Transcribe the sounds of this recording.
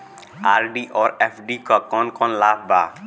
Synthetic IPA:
aɾɖiʔɔɾepɖikɔkɔnkɔnlapʰba

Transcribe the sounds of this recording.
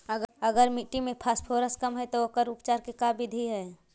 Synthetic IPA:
əɡəɡəɾmiʈimẽpʰaːspʰoːɾəskəmɦɛt̪ookəɾʊpt͡ʃaːɾkekabɪd̪ʱiɦɛː

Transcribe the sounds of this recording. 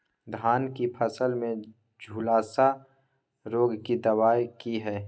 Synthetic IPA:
d̪ʱaːnkipʰəsəlmẽ | d͡ʒʱuːlaːsa | ɾoːɡkid̪ɐwaːjkiɦɛː

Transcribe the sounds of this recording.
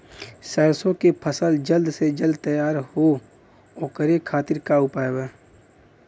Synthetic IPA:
sɛːɾsõkepʰəsəld͡ʒəld̪sed͡ʒəld̪̚t̪əjaːɾho | oːkəɾekʰaːt̪ɪɾkaʊpaːebeː

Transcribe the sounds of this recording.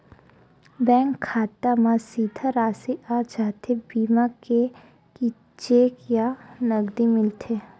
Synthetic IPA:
bɛ̃ːŋkʰːaːt̪amãsiːd̪ʱaɾaːsiʔaːd͡ʒaːt̪ʰebiːmake | ki | t͡ʃeːkjanəɡd̪imɪlt̪ʰeː

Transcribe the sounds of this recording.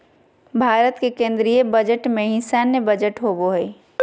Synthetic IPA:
bʱaːɾət̪kekẽːnd̪ɾiebəd͡ʒəʈmẽɦɪ̃saːnjəbəd͡ʒəʈɦoːboɦɛː

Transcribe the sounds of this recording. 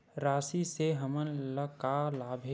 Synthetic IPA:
ɾaːsiseɦəmənləkalaːbʱe

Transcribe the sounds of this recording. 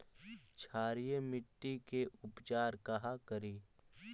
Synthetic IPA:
t͡ʃʰaːɾijəmɪʈːikeʔʊpt͡ʃaːɾkɐɦakəɾiː

